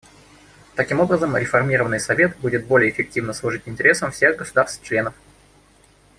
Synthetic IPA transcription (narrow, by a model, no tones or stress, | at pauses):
t̪ɐkʲimo̞bɾəzəmɾʲɪfɐrmʲiɾəvənɨjsɐvʲe̞t̪budʲɪt̪̚bolʲɪjəːfʲɪk̚tʲivnəslˠʊʐɨtʲɪnʲtʲɪɾʲe̞səmfsʲe̞ɣɡəsʊd̪arst̪t͡ɕlʲe̞nəf